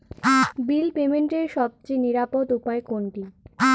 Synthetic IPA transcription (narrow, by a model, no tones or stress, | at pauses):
bilpemeɳʈeɾʃɔb̚t͡ɕeniɾapod̪upaekoɳʈia